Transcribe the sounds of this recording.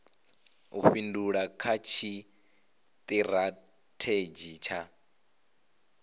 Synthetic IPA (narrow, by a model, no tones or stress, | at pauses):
uɸinduɺakʰat͡ʃʰi | t̪ʼiɾa | tʰed͡ʒit͡ʃʰa